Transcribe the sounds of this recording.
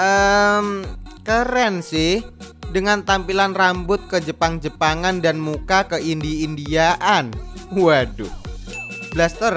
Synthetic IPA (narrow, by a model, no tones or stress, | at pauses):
ʔəmkəɾɛnsɪhdəŋant̪ampilanrambʊt̪̚kəd͡ʒəpaŋd͡ʒəpaŋandanmukakəʔindiːndiaʔanwadu | b̥last̪ər